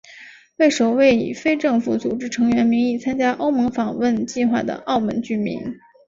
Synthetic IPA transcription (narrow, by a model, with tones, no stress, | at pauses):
we˥˩ɪʂo˨˩ʊwe˥˩ɪḭ˨˩fe˥ɪʈ͡ʂɤ˥˩ŋfu˧˥t͡su˨˩ʈ͡ʂɻ̩˥ʈ͡ʂʰɤ˧˥ŋɥɛ˧˥nmi˧˥ŋi˥˩t͡sʰa˥nt͡ɕja˥ʔo˥ʊmɤ˧˥ŋfɑ˨˩ŋwə˥˧nt͡ɕi˥˧xwa˥˩d̪ə̰˩ʔɑ˥˩ʊmə̰˧˥nt͡ɕy˥˩mḭ˧˥n